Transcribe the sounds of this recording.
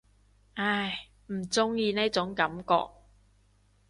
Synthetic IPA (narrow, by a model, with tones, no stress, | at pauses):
ʔaː˧˩j | m̩˨˩t͡sʊ˥ŋjiː˧ne˥t͡sʊ˨˥ŋkɐ˨˥mkɔ̰ː˧k̚